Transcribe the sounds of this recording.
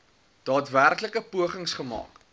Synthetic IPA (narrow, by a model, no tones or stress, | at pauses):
d̥ɑːtværkləkəpuəχəŋsχəmɑ̰ːk